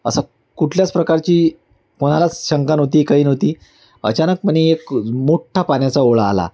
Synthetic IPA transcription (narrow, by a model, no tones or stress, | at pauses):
ə̰sa | kuʈʰljat͡spɾəkaɾt͡ɕiː | koñalat͡sɕəŋkanɦot̪iːkaɦiːnɦot̪iː | ə̰t͡ɕanək̚məɳiekmoʈʰːapanjat͡saoɭaːla̰